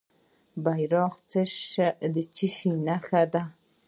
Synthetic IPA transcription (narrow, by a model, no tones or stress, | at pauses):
bajɾɑqt͡səʃd̪ət͡ʃiʃinaxad̪a